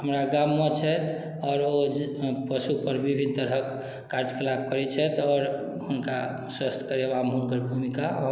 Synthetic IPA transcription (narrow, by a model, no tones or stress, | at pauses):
ɦəmɾaɡamːet͡ʃʰɛt̪ | ɔɾopəsupəɾbibʱint̪əɾəkː | aɾd͡ʒkəlab̚kəɾɛt͡ʃʰɛt̪ɔːɾ | hunka | swəst̪ʰkəɾebamʱulɡəɾbʱumika